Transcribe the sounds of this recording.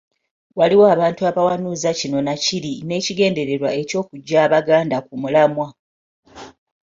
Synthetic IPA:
waliwoaβaːntuaβawanuːzacino̞naciɾine̞ːciɡe̞ːnde̞ɾe̞ɾwae̞co̞ːkuɟːaːβaɡaːndakumulamwa

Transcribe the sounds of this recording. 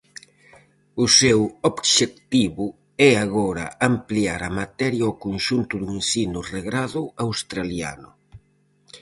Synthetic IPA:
ʊsewobʃek̚t̪iβʊ | ɛaɣɔɾɐ̰ampliaɾamat̪ɛɾjaɔkonʃunt̪ʊðuinsinʊreɣɾaðʊawst̪ɾalja̰nʊ̰

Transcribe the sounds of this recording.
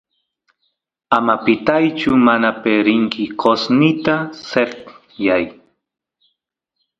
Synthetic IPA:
amapɪt̪ajt͡ʃʊmanapeɾɪŋkɪkosnɪt̪aset | jaj

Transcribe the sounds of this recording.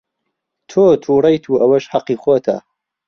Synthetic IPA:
t̪ʰoːt̪ʰuːrɐjt̪ʰuːʔɐwɐʃhɐqːiːxoːt̪ʰa̰

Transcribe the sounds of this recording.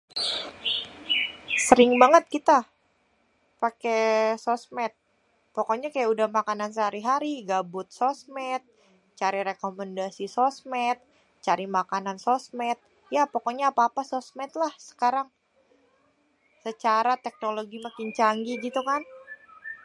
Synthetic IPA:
səɾɪŋbaŋət̪̚kit̪a | pakesosmɛt̪̚ | pokoɲakajaudahmakanansəɦaɾiɦaɾiɡabʊt̪̚sosmɛt̪̚ | t͡ʃaɾiɾekomɛndasisosmɛt̪̚ | t͡ʃaɾimakanansosmɛt̪̚ | japokoɲaːpaːpasɔsmɛt̪̚lahsə̥kaɾaŋ | sət͡ʃaɾat̪ɛk̚noloɡimakɪnt͡ʃaŋɡiɡit̪ukan

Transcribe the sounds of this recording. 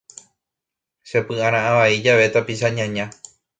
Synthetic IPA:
ʃepɨãɾ̃ãaʋaid͡ʒaʋe̞t̪apiʃaɲãɲã

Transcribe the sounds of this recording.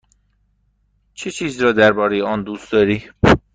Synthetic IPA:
t͡ʃʰet͡ʃʰiːzɾɒːd̪æɾbɒːɾejeɒːnd̪uːst̪d̪ɒːɾiː

